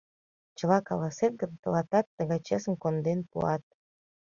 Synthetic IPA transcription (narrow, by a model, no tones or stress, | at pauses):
t͡ɕə̆lˠɑkɑlɑset̪̚ɡənt̪ə̆lɑt̪ɑt̪ːə̆ɣɑt͡ɕesə̆mkond̪enpṵɑt̪̚